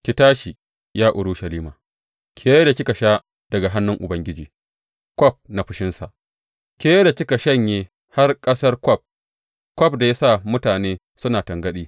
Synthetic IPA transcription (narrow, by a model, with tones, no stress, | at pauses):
kʲɪ˨taː˦ʃi˨ | jaː˦ʔʊ˨ɽʊ˦ʃɐ˨liː˦maː˨ | kʲʰeː˦je˦da˨kʲɪ˦ka˨ʃa˦ | d̥ɐ˨ɡa˨ɦa˦nːʊ˦ŋʔʊ˨bɐ˦ŋɡʲɪ˦d͡ʒiː˨ | kʷɔ˦p̚na˨ɸʊ˦ʃɪ˦nsa̰˨ʔ | kʲeː˦je˦da˨kʲɪ˦ka˨ʃɐ˦ɲjeː˦ | ha˦rkʼɐ˦sɐ˦rkʷɔ˦˨p̚ | kʷɔ˦˨p̚da˨ja˦sa˦˨mʊ˦taː˨neː˦ | sʊ˦naː˨tɐ˨ŋɡɐ˦ɗiː˦